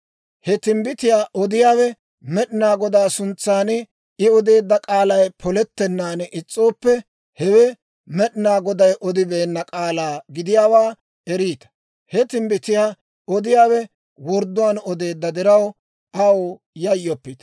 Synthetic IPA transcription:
hɛt̪ɪmbɪt̪ɪjaːʔɔd̪ɪjaːwɛ | mɛɗɪnaːɡɔd̪aːsʊnt͡sːaːnɛ | ɪɔd̪e̞ːd̪ːɐkʼaːlɐjpʰɔlɛt̪ːɛnːaːnɛʔɪt͡sʼːo̞ːpːɛ | hɛwɛ | mɛɗɪnaːɡɔd̪ɐjʔɔd̪ɪbe̞ːnːɐkʼaːlaːɡɪd̪ɪjaːwaː | ɛɾiːt̪ɐ̥ | hɛt̪ɪmbɪt̪ɪjaː | ɔd̪ɪjaːwɛ | wɔɾd̪ːʊwaːnɔd̪e̞ːd̪ːɐd̪ɪɾɐw | ʔɐwo | jɐjːɔpːɪt̪ɐ̥

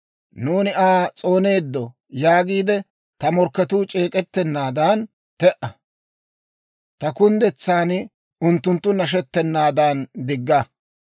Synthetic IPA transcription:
nuːnɪʔaːt͡sʼo̞ːne̞ːd̪ːɔ | jaːɡiːd̪ɛ | t̪ɐmɔɾkːɛt̪uːt͡ʃʼe̞ːkʼɛt̪ːɛnːaːd̪aːn | t̪ɛʔɐ | t̪ɐkʊnd̪ɛt͡sːaːn | ʊnt̪ːʊnt̪ːʊnɐʃ̬ɛt̪ːɛnːaːd̪aːnd̪ɪɡːɐ

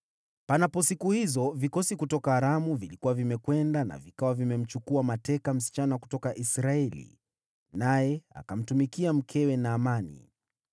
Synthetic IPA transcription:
panapɔsikuhizɔvikɔsikutɔkaːɾamuvilikuwavimɛkwɛndana̰vikawavimɛm̩t͡ʃukuamatɛkam̩si̥t͡ʃanaku̥tɔkaʔisɾaɛlḭ | najɛa̰kam̩tumikiam̩kʰɛwɛnaːmanḭ

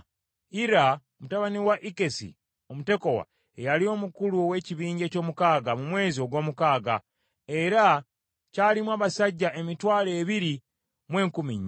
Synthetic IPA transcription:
iɾaomutaβaniwaʔike̞sḭ | omute̞ko̞wa̰ | ejalio̞ːmukuluowe̞ːciβiːɲɟe̞ːco̞ːmukaːɡamumwe̞ːzio̞ɡwo̞ːmukaːɡa̰ | e̞ɾa | caːlimwaːβasaɟːaʔe̞mitwaːle̞ːβiɾi | mwe̞ːŋkumiɲː

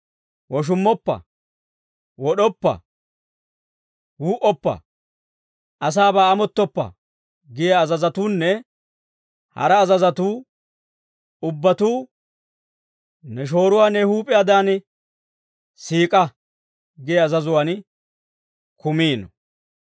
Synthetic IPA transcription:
wɔʃ̬ʊmːɔpːɐ̰ | wɔɗɔpːɐ̰ | huːʔɔpːɐ̰ | ʔɐs̬aːbaːɐmɔt̪ːɔpːɐ̰ | ɡɪjɛɐzɐzɐt̪uːnːɛ | hɐ̰ɾɐːzɐzɐt̪uː | ʊbːɐt̪uː | nɛʃ̬o̞ːɾʊwaːnːɛhuːpʼɪjad̪aːn | siːkʼɐ | ɡɪjɐzɐzʊwaːn | kʊmiːnɔ̰

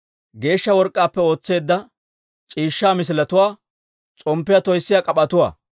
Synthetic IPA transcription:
ɡe̞ːʃːɐwɔɾkʼːaːpːɛo̞ːt͡sːe̞ːd̪ːɐ | t͡ʃʼiːʃːaːmɪs̬ɪlɐt̪ʊwaː | t͡sʼɔmpːɪjat̪ɔjsːɪjakʼɐpʼːɐt̪ʊwa̰ː

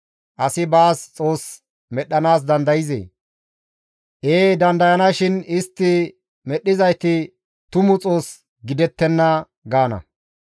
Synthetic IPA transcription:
ʔɐsɪbaːst͡sʼo̞ːs | mɛɗːɐnaːs̬d̪ɐnd̪ɐjɪzḛː | ʔeːd̪ɐnd̪ɐjɐnɐʃɪnɪst̪ːɪ | mɛɗːɪzɐjt̪ɪ | t̪ʊmʊt͡sʼo̞ːs | ɡɪd̪ɛt̪ːɛnːɐ | ɡaːnɐ̰

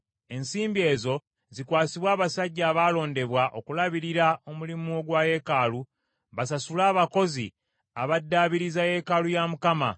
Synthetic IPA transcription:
e̞nsiːmbie̞ːzo̞ | zikwaːsiβwaːβasaɟːaːβalo̞ːnde̞βwaʔo̞kulaβiɾiɾao̞mulimuo̞ɡwaje̞kaːlu | βasasulaːβako̞zḭ | aβadːaːβiɾizaje̞kalujamukama̰

